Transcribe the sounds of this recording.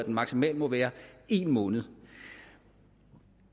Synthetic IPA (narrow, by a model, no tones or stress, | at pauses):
æd̥enmɑ̈ɡ̥simɛ̰ːlmɒ̽ʋæːɐe̝ːnmɔːnð̞̩ˠ